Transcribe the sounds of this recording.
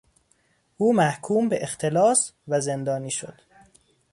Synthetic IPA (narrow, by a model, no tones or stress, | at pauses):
ʔuːmæhkʰuːmbeʔext̪ʰe̞lɒːsvæze̞nd̪ɒːniːʃo̞̰d̪̥